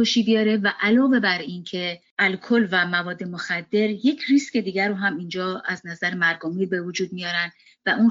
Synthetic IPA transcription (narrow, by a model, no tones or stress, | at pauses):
oʃiːbijɒːɾe̞væʔælɒːve̞bæɾincʰe̞ʔælkʰo̞lvæmævɒːd̪ːe̞moxæd̪ːe̞ɾje̞cʰrisce̞d̪iːɡæɾːoɦæmind͡ʒɒːæznæzæɾemæɾɡɔmiːbe̞vod͡ʒuːd̪̚mijɒːɾæn | væʔun